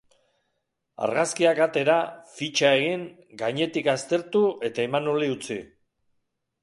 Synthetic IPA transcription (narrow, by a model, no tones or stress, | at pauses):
a̰ɾɣaskiakat̪e̞ɾafit͡ʃae̞ɣ̞iŋ | ɡajɲe̞t̪ikast̪e̞ɾt̪ue̞t̪aemanoliut͡si